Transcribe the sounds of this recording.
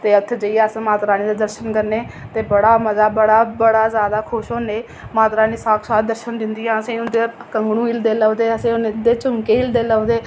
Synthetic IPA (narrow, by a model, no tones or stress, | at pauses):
t̪eːət̪ʰed͡ʒəijaːəsmaːt̪ɾaːniːd̪aːd̪əɾʃənkəɾneːt̪eːbəɽaːməzaːbəɽaːbəɽaːzjaːd̪aːkʰʊʃɦoːneː | maːt̪ɾaːniːsaːkʰsaːt̪̚d̪əɾʃənd̪ɪnd̪ijãːəsĩːʊnd̪eːkəŋɡɽũːiːld̪eːləːd̪eːəsĩːʊnd̪eːt͡ʃʊŋkeːiːld̪eːləʊd̪eː